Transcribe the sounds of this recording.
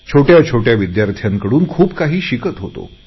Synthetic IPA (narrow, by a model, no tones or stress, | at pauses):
t͡ɕʰoʈjat͡ɕʰoʈjaʋid̪jaɾt̪ʰjaŋkəɽuːnkʰuːpkaɦiːɕikət̪ɦot̪o̰